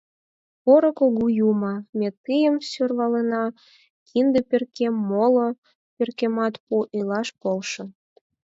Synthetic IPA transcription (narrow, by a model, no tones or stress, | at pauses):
poɾŏkoɣujumɑmʲet̪ːɨjəmsørβɑlenɑ | kʰind̪eperkemːolo | pʲerkemɑt̪puʔelɑʃpolʃɤ̆